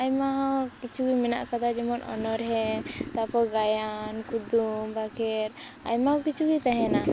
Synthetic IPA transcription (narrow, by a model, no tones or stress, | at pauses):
ajmakit͡ʃʰuɡimɛna̰ʔkad̪ad͡ʒɛmɔnʔɔ̰nɔɾɦɛt̪apɔɡajankud̪umbakɛɾ | a̰jmakit͡ʃʰuɡit̪aɦɛ̃na